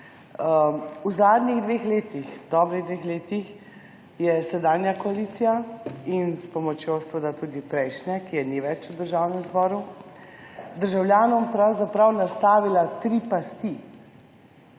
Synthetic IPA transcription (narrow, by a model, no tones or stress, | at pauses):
uzaːd̪niɣd̪ʋeːxleːt̪ixd̪ɔːbɾiɣd̪ʋexleːt̪ix | jɛsɛd̪aːnjakɔaliːt̪sijainspɔmɔt͡ʃjoɔsʋəd̪at̪uːd̪ipɾɛjʃnɛkijɛniʋɛt͡ʃud̪əɾʒawnɛmzbɔːɾu | d̪əɾʒawljaːnɔmpɾawzapɾawnast̪aːʋilat̪ɾipast̪i